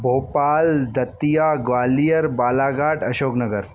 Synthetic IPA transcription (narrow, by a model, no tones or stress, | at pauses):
bʱoːpaːld̪ɐt̪ijaːɡʋaːlijəɾbaːlaːɡaːʈɐʃoːknɐɡəɾ